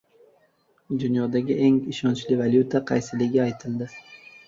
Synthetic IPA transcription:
d̪ʊnjɒd̪aɡʲɪʔeŋɪʃɒnt͡ʃlɪvaljut̪ʰaqʰɑjsɪlɪɡʲɪajt̪ʰɪld̪ɪ

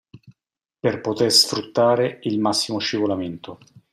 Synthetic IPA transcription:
perpot̪ersfɾut̪ːaːɾeilmasːimoʃivolament̪o

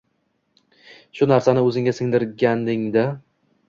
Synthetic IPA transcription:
ʃʊnaɾsanɪɵzɪŋɡʲasɪŋd̪ɪɾɡʲand̪ɪŋd̪ɪ

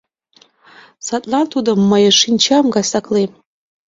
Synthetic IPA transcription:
satʼlantʰudamːajaʂinʲt͡ʃʰamɡasakʰlej

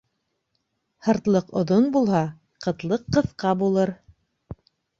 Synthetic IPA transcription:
hɤ̆ɾt̪lˠɤqŏ̰ðonbulˠhɑ | qɤ̆t̪lˠɤqːɤ̆θqɑbulˠɤɾ

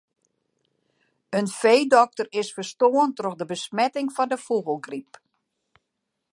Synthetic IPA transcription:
ənfeːdɔk̚tərɪsfərstoːəntroxdəbəsmɛtɪŋfɔndəfuɣəlˠɡrip

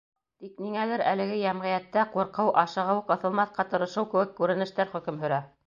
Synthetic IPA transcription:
t̪ikniŋæðɘɾælɘ̆ɡɘjæmʁɤ̆jæt̪ːæquɾqɤwʔɑʃɤ̆ʁɤwɤqɤ̆θɤ̆lˠmɑθqɑt̪ɤ̆ɾɤ̆ʃɤwkɘ̆wɘkːʉɾɘ̆nɘ̆ʃt̪æɾχɵ̆kɘmɦɵ̆ɾæ

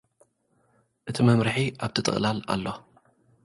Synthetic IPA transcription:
ʔɨt̪ʰimɐmɾɨħiʔaβt̪ʰɨt̪ʼɨ̰χʼlala̰lːo̞

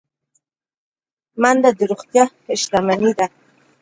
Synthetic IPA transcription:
mand̪ad̪əɾoχt̪jɑ | ɪʃlamanid̪a

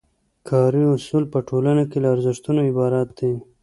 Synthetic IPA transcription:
kʰɑɾiʊsulpəʈʰolanakelaːɾzɪʂt̪unoɪbɑɾat̪̚d̪e

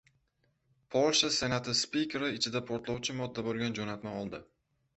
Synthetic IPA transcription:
pʰolˠʃase̞nat̪ʰɪspikʲʰeɾɪɪt͡ʃʰɪd̪apʰoɾt̪lˠɒwt͡ʃʰɪmɒd̪ːabolˠɡʲand͡ʒonat̪maɒlˠd̪ɪ

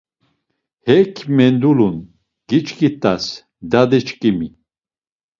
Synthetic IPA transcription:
hɛkʰmɛnd̪ulun | ɡ̥it͡ʃkʰʼit̪ʼas | d̪ad̪ɛt͡ʃkʼimi

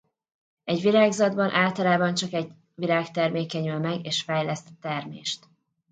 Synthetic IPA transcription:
ɛɟʋilaːɡzɒd̪bɒnʔaːlt̪ɒlaːbɒnt͡ʃɒkɛɟ | ʋilaːkt̪ɛrmeːkɛɲylmɛɡeːʃfɛjlɛst̪t̪ɛrmḛːʃt̪

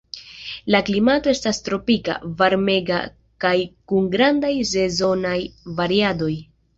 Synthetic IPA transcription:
laklimato̞e̞stastɾo̞pika̰vaɾme̞ɡa̰ | kajkuŋɡɾandajs̬e̞zo̞najvaɾiado̞j

